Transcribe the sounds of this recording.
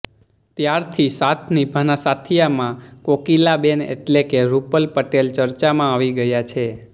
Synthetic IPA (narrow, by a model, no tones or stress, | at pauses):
t̪jaɾt̪ʰisat̪ʰnibʱənasat̪ʰijamãkokilabenḛʈlekeɾupəlpəʈelt͡ʃəɾt͡ʃamãaʋiɡəjat͡ʃʰe